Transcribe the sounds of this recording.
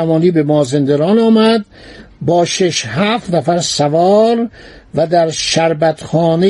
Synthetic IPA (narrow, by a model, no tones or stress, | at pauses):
æmɒːniːbemɒːzend̪eɾɒːnɒːmæd̪ | bɒːʃeʃhæːft̪næfæɾsævɒːɾvæd̪æɾʃæɾbæt̪xɒːne